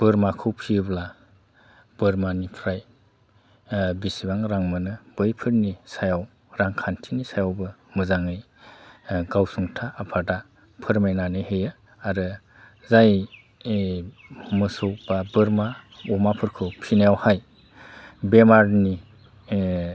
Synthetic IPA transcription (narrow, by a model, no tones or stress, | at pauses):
b̥ɯɾmakʰɯwpʰibla | b̥ɯɾmanipʰɾaj | bisibaŋɾaŋmɯnɯb̥ɯjpʰɯɾnisajaw | ɾaŋkʰantʰinisajawbɯmɯzaŋɯj | ɡawsuŋtʰaːpʰada | pʰɯɾmajnanɯhejɯ | aɾɯ | zaj | mɯsɯwbabɯɾmaɔmapʰɯɾkʰɯwpʰinajawhaj | bemaɾni